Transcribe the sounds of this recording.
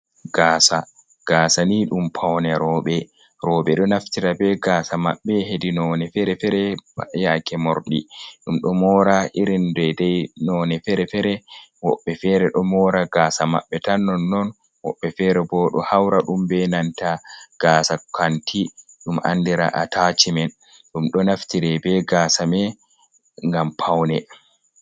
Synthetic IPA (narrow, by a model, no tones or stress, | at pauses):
ɡ̥aːsa | ɡ̥aːsaniɗumpʰawnɛɾɔːɓɛ | ɾɔːɓɛɗɔnaftiɾabɛɡaːsama̰ɓːɛɦedinɔnɛfɛɾɛfɛɾɛajakɛmɔɾɗḭɗumɗɔmɔɾaʔiɾindɛdɛjnɔnɛfɛɾɛfɛɾɛwɔɓːɛfɛɾɛɗɔmɔːɾaɡaːsama̰ɓːɛtanːɔnːɔn | wɔɓːɛfɛɾɛbɔːɗɔhawɾaɗumbɛnantaɡ̥aːsakʰantiɗumʔa̰ndiɾa̰ʔatʰat͡ʃimɛn | ɗumɗɔnaftiɾɛbɛɡaːsamɛ | ŋɡampʰawnɛ